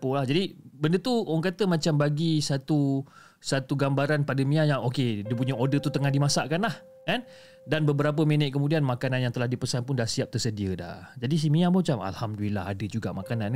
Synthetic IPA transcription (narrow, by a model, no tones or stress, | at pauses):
polahd͡ʒadibəndət̪uoŋkat̪əmat͡ʃambaɡisat̪u | sat̪uɡambaɾanpadəmĩajaŋokediəp̬uɲəodət̪ut̪əŋahdimasaʔkanlah | kan | danbəbəɾap̬əminəʔ̚kəmudianmãkanãnjaŋt̪əlahdipəsanpʊndahsiap̚t̪ərsədiəda̰d͡ʒadis̬imiamat͡ʃama̰lhamdulila̰ɦadəd͡ʒuɡa̰ʔmakanan